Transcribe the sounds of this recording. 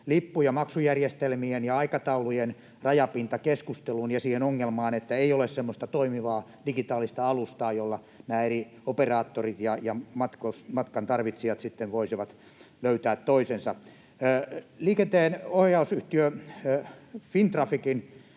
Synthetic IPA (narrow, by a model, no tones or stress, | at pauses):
lipːujɑmɑksujærjest̪elmienjɑɑikɑt̪ɑulujen | rɑjɑpint̪ɑkeskust̪elunjɑsiːhenoŋːelmɑːnet̪ːæeiolessemːost̪ɑt̪oimiʋɑː | d̥iɡit̪ɑːlist̪ɑɑlust̪ɑːjolːɑ | næːeri | operɑːt̪ːorit̪jɑjɑmɑt̪kosmɑt̪kɑnt̪ɑrʋit̪siɑt̪sit̪ːenʋoisiʋɑt̪ | løyt̪æːt̪toisensɑ | liːkent̪eːnohjɑusyht̪iø | fint̪rɑfikin